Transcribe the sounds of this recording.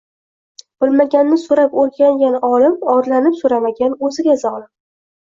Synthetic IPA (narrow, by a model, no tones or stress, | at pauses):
b̥ɪlmaɡʲanːɪsoɾapɵɾɡʲaŋɡʲanɒlɪmɒd̪lanɪpsoɾamaɡʲanɵzɪɡʲazɒnɪ